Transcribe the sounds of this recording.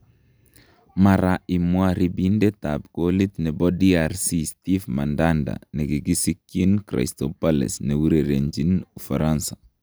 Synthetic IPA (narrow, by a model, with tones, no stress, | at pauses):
ma˨ɾa˨ʔi˨mwa˦ɾibi˦nde˦tab̚ɡ̥oli˦t̪nɛ˨bɔdiaɾsisti˦fma˨ndanda̰˨nɛ˨ɡi˨ɡi˦si˦kːi˦nkɾa̰˨stopalɛ̰˨sne˨wu˦ɾeɾe˨ɲd͡ʒi˦nu˨fa˨ɾansḁ˨